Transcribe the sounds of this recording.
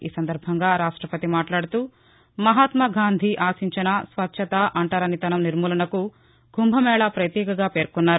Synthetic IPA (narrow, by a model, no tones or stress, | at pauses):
ḭːsɐnd̪ɐɾbʱɐŋɡaːɾaːʂʈɾɐpɐt̪imaːʈlaːɽut̪uː | mɐɦaːt̪mɐɡaːnd̪ʱiʔaːsiɲt͡ʃɐnɐsʋɐtːʃʰɐt̪aʔɐɳʈaːɾɐnit̪ɐnɐmniɾmuːlɐnɐku | ɡʱumbʱɐmɛːɭɐpɾɐt̪jɛːkɐɡaːpe̞ːɾkunːaːɾu